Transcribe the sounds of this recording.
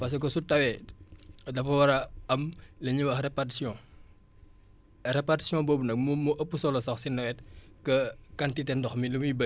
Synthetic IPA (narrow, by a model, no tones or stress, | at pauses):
pɐs̬kɔsutɐwɛ | dɐfɐwɐɾɐɐmleɲiwɐxrɛpatsjɔ̃ | ɾɛpati̥sjɔ̃boːbunɐk̚mumuʔəpːusɔlɔsɔxsinːɐwɛt̚kɐkɐntitɛndɔxmilumibɐ